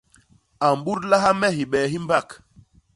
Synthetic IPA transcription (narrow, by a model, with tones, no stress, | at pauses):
a˨mɓu˦ɾla˦ɦa˦mɛ˦ɦi˨ɓɛː˨ɦi˦mba˦˨k